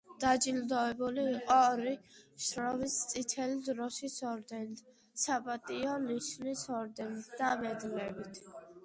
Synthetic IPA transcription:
d̪̥ad͡ʒild̪ɔɛbuliːqʼɔɾiʃɾɔmist̪sʼit̪ʰɛlid̪ɾɔʃisɔɾd̪ɛn | sapʼat̪ʼiɔniʃnisɔɾd̪ɛnit̪ʰd̪̥amɛd̪lɛbit̪ʰ

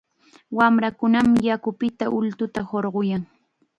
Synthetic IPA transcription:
wamɾakʊnamɪjakʊpɪt̪aʔʊlt̪ʊt̪ahoɾɢojaŋ

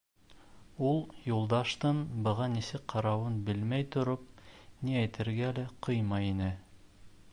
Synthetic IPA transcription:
ulˠjulˠd̪ɑʃt̪ɤnbɤ̆ʁɑnisɘk̚qʰɑɾɑwɤnbɘlmæjt̪ŏɾop̚niæjt̪ʰɘ̆ɾɡælɘqɤjmɑjinɘ

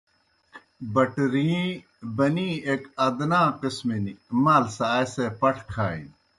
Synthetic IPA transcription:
bɐʈɾii | bɐniːeːkɐd̪naːqɪsminimaːlsaːesepɐʈʰkʰaːḭn

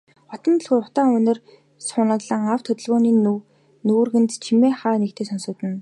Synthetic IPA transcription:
χɔt̪ɞ̆nt̪̆ɮxujʊt̪aːŋɵnɪ̆r | sʊnə̆t̪ɮə̆ːŋawt̪ʰːɵt̪ɵ̆ɮɣʊːniːnu | nuːrɣɘ̆nt̪t͡ɕʰimeːχaːnekt̪ʰeːsɔnsʊːt̪ɘ̆n

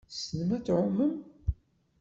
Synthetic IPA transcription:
sənəmæt͡sːʕʊmːəm

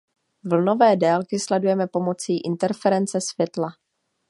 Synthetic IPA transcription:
vl̩no̞vɛːdɛːlkɪslɛdujɛmɛpo̞mo̞t͡siːʔɪnt̪ɛɾfɛɾɛnt͡sɛsvjɛt̪la

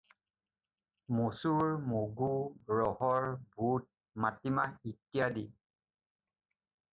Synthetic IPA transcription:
mosuɹmuɡuɹɔhɔɹbut̚ | matimaitijadi

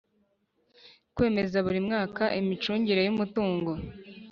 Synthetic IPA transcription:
kwe̞ːme̞zaβuɾimŋaːkaʔimit͡ʃuːɲɟiɾe̞jumutuːŋɡo̞

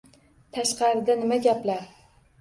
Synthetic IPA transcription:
t̪ʰaʃqʰɑɾɪd̪anɪmaɡʲaplaɾ

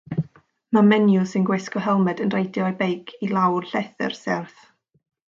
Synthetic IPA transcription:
mamɛnjʊsɪnɡwɪskɔɦɛlˠmɛdənrejdjɔɔbejkʰilˠawrɬɛθɪ̰rsɛrθ

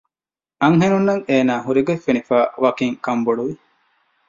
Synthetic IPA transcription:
ʔɐŋɦenunːɐŋeːnaːɦuɾiɡefːenifaːʋɐkiŋkɐmboɽuʋi

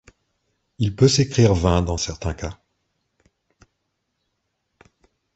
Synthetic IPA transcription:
ilpøsekχiʁvɛ̃d̪ɑ̃sɛʁt̪ɛ̃ka

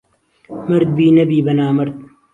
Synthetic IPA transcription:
mɐɾd̪̚biːnɐbiːbɐnaːmɐɾd̪̚

